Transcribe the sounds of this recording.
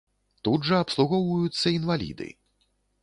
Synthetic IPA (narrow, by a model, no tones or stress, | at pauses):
t̪ud̪ʐɐɐpslˠuɣɔwvɐjut̪sːɐinvalʲḭd̪ɨ̰